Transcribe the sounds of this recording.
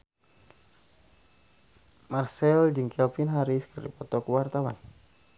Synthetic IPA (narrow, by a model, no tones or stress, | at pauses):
marsɛld͡ʒɨŋkɛlpinɦaɾiskərdḭpɔt̪ɔkəwart̪awa̰n